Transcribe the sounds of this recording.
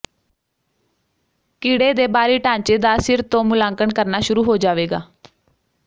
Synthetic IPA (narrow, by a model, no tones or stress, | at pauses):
kiːɽeːd̪eːbaːɾiːʈãːɲt͡ʃeːd̪aːsɪɾt̪õːmʊlãːŋkəɳkəɾnaːʃʊɾuːɦoːd͡ʒaːʋeːɡaː